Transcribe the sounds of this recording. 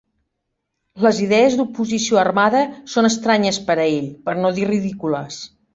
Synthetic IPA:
ləziðɛəzd̪upuzisioərmaðəsonəst̪ɾaɲəspəɾəeʎpəɾnoðiriðikuləs

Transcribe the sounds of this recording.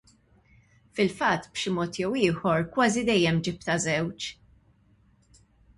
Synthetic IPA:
fɪlfɐt̪ːb̥ʃɪmɔːt̪jɛwɪːħɔɾkwɐːzid̪ɛjːɛmd͡ʒɪpt̪ɐzɛwt͡ʃ

